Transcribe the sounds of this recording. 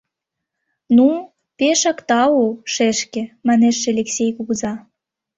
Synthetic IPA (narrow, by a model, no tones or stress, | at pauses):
nu | peʃɑkt̪ɑoʃeʃkĕmɑneʃːĕlʲeksʲejkuɣzɑ